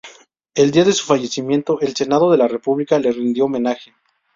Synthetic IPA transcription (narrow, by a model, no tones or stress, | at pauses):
e̞ld̪iaðe̞su̥faʝe̞simjẽ̞nt̪o̞ʔelse̞nað̞o̞ðe̞lare̞puβlikale̞rind̪jo̞ːmẽ̞naxe